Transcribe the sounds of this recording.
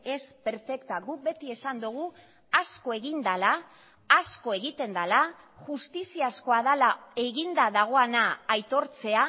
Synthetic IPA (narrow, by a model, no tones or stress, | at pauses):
e̞spe̞ɾfe̞kt̪aɡuk̚be̞t̪ie̞sand̪uɣ̞u | asko̞e̞ɣind̪alaː | sko̞e̞ɣ̞it̪e̞nd̪ala | ʝust̪isiasko̞aðalae̞ɣind̪aðaɣ̞o̞anaːjt̪o̞ɾt͡se̞a